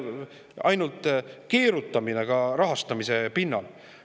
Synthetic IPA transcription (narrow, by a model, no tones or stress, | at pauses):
ɑ̰jnult̪ˑke̞ːɾut̪ːˑɑmineɡ̥ɑɾɑɦɑst̪ɑmise̞pinːɑl